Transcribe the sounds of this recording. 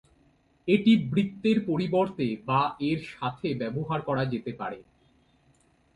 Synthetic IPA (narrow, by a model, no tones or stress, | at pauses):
eʈibɾit̪ːeɾpoɾiboɾt̪ebaeɾʃat̪ʰebɛboɦaɾkɔɾad͡ʑet̪epa̰ɾe